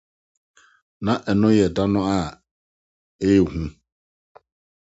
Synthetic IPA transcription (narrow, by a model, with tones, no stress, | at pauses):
nã˨ʔɛ˨nʊ̃˦jɛ˨da˦nʊ̃˦a˦˨ | e˦˨hũ˦